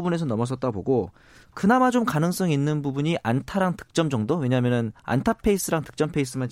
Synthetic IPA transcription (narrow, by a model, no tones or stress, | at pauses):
ubune̞s̬ʰʌnʌmʌs̬͈ʌt̚t͈aɡbo̰ɡo | kɯnamad͡ʑomkanɯŋs͈ʌŋinːɯnbubuɲiʔantʰaɾaŋtɯ̥k̚t͡ɕ͈ʌmd͡ʑʌŋdowe̞ɲaːmjʌnɯna̰ntʰapʰe̞is͈ɯɾaŋtɯ̥k̚t͡ɕ͈ʌmpʰeis͈ɯman